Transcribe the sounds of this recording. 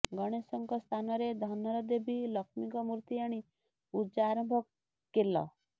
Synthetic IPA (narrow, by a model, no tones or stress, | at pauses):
ɡɔɽ̃esɔŋkɔst̪ʰanɔɾed̪ʱɔnɔɾɔd̪ebʱilɔkmikɔmuɾt̪iaɽ̃i | ud͡ʒaaɾɔmbʱɔkː | elɔ̰